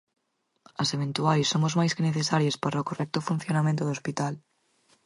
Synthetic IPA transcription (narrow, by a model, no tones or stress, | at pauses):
ɐseβent̪uajsːomʊzmajskeneθesaɾjaspaɾaokorɛk̚t̪ʊfun̟θjonamẽnt̪ʊðospit̪al